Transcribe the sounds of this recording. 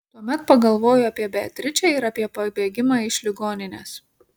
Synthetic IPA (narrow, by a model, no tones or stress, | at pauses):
t̪uɔmʲɛt̪pɐɡɐlˠʋoːjʊɐpʲiɛbʲɛːt̪ʲɾʲɪt͡ʃʲɛɪɾɐpʲiɛpɐbʲeːɡʲɪmɑːɪʃʲlʲɪɡoːnʲɪnʲeːs